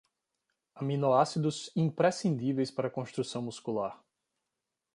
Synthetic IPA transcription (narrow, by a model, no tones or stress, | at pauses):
amĩnoasid̪ʊzĩpɾesĩnd̪ivejspaɾɐkõst̪ɾusɐ̃w̃muskulaɾ